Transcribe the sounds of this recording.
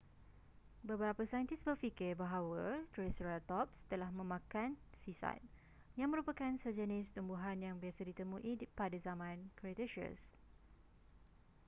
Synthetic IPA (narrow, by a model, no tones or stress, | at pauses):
bəbəɾapəsajənt̪ɪsbərfikɪrbaɦawat̪ɾesɾalt̪ɔp̚st̪əlahmə̃mãkansisa̰t̪̚ | jaŋmə̃ɾupakansəd͡ʒənɪst̪umbuɦanjaŋbiasadit̪əmũʔipadazamãnkɾet̪eʃiə̰s